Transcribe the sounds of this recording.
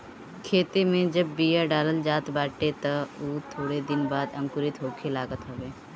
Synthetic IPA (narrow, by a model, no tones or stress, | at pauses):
kʰeːt̪emẽd͡ʒɐbːiːjaɖaːləld͡ʒaːt̪baːʈet̪ɐuːt̪ʰoːɽed̪ɪnbaːd̪ɐ̃mkʊɾɪt̪ɦoːkʰelaːɡət̪ɦoʋeː